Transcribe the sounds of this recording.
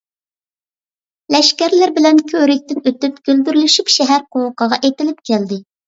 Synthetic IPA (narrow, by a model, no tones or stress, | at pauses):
lɛʃkʲæɾlɪɾbɪlɛnkʲʰøɾɪk̚ʲt̪ɪnøt̪ypɡ̥ʲøld̪yɾlyʃypʃɛɦæɾqʰowəqʰəʁɑʔet̪ɪlɪp̚kʲʰɛld̪ɪ